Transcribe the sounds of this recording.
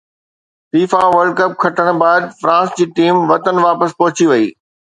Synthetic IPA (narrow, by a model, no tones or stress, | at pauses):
fiːfaʋɐɾɖ̚kɐp̚kʰɐʈəɽ̃baːd̪fɾãːsd͡ʑiːʈiːmʋɐt̪ənʋaːpəspɔɦʊt͡ɕiʋɐiː